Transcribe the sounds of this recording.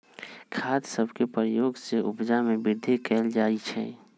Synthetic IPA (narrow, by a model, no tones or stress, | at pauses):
kʰaːd̪səbʱkepəɾəjoːɡseʔʊbd͡ʒamẽbɪɾd̪ʱekɛːld͡ʒaːit͡ʃʰɛ̰ː